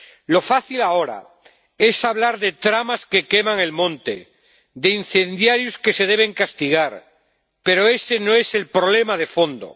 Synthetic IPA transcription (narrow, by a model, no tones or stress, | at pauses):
lo̞faθilao̞ɾa̰ | e̞saβ̞laɾðe̞t̪ɾamaske̞ke̞maŋe̞lmõ̞nt̪ḛ | ðein̟θe̞nd̪jaɾjoske̞se̞ð̞eβ̞e̞ŋkast̪iɣ̞aɾ | pe̞ɾo̞e̞se̞noe̞se̞lpɾo̞βle̞mað̞e̞fo̞nd̪o̰